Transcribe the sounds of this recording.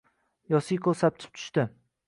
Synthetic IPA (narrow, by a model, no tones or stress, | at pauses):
jɒsikʰosap̚t̪ʰɪ̥p̚t̪ʰʊ̥ʃt̪ɪ